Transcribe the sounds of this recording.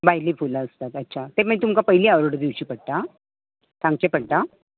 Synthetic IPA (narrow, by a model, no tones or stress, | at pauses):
baɦjlifulaəst̪at̪ətːɕʰat̪eməit̪umkapəɦiliːaʋɾoɽd̪iwt͡ɕiːpəɽt̪a | sãŋɡ̚t͡ɕepəɽt̪a